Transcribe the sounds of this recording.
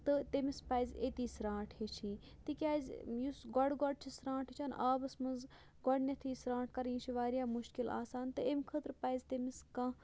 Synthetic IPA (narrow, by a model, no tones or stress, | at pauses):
t̪ɨt̪emispaːjzʲet̪iːsɾãːʈʰhet͡ʃʰĩːt̪ikʲaːzʲjusɡɔɽɡɔɽ̚t͡ʃʰisɾãːʈɦet͡ʃʰanʔaːbɐsmɐnz | ɡɔɽnʲɐt̪ʰiːsɾãːʈ̚ʰkɐɾĩːt͡ʃʰiʋaːɾijaːmuʃkila̰ːsaːnt̪ɨemkʰət̪ɾpaːjzʲt̪emiskãː